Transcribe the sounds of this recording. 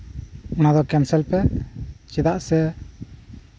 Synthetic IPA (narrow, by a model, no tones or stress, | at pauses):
unad̪ɔkɛnsɛlpɛt͡ʃid̪aʔsɛ